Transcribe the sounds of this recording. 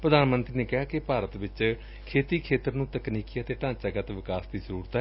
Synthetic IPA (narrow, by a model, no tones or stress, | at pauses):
pɾəd̪aːnmənt̪ɾiːneːkɪɦaːkɪpaːɾət̪ʋɪt͡ʃ | kʰeːt̪iːkʰeːt̪əɾnũːt̪əkniːkiət̪eːʈãːt͡ʃaːɡət̪ʋɪkaːsd̪iːzəɾuːɾt̪ɛː